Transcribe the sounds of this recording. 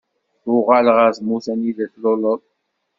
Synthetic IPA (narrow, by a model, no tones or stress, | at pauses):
ʊʁalʁæzmuθæniðæθloləðˤ